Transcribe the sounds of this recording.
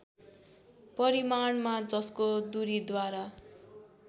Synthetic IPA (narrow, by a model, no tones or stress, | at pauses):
pʌɾimaɳmad͡zʌskod̪uɾid̪waɾa